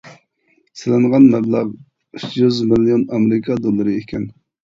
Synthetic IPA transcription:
sɪlɪŋʁɑnmæblˠɑʁ | yt͡ʃʰjyzmɪlijonɑmɾɪkʰɑd̪olˠːɨɾɨekʲʰɛn

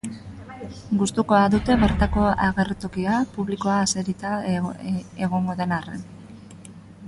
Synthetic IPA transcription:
ɡust̪uko̞aðut̪e̞βe̞ɾt̪ako̞aɣe̞rt̪o̞kiapuβliko̞aːse̞ɾit̪a | e̞ɣ̞o̞ŋɡo̞ðe̞narḛn

